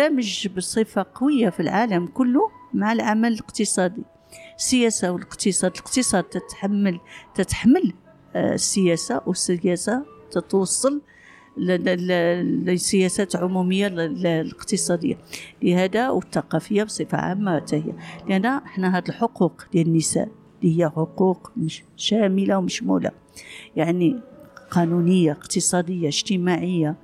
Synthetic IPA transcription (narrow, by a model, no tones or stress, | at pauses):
æməʒbəsˤəfaqɑwəjːafilʕaləmkʊlːumaʕəlʕamælələqt̪əsˤɑd̪i | əsːəjæsawələqt̪əsˤɑd̪ələqt̪əsˤɑd̪t̪t̪ħmːlt̪ət̪ħməl | sːəjæsawəsəjæsat̪ət̪wɑsˤːɑl | l | sːəjæsæt̪lʕʊmuməjːalləqt̪əsˤɑd̪əjːa̰lihæd̪awət̪ːɑqɑfəjːabsˤəfa̰ʕa̰mːawt̪æhəjːa̰lʔænːæʔəħnæɦæd̪əlħoquqd̪jælənːəsæ̰ʔ | lihəjːæħoquqmʃæməlawməʃmṵla̰ | jaʕniqɑnunəjːaəqt̪əsˤɑd̪əjːaəʒt̪əmaʕəjːa